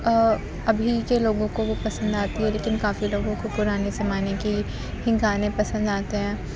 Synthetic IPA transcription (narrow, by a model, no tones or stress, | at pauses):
ɐbʱikeloːɡõkoʋopɐsə̃nd̪aːt̪iɦɛleːkɪnkaːfiloːɡõkopʊɾaːnesemaːneki | hɪ̃ŋɡaːnẽpɐsə̃nd̪aːt̪eɦɛ̃ː